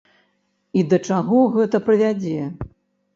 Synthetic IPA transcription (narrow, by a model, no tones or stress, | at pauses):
id̪ɐt͡ʂaɣɔɣɛt̪ɐpɾɨvʲad͡zʲɛ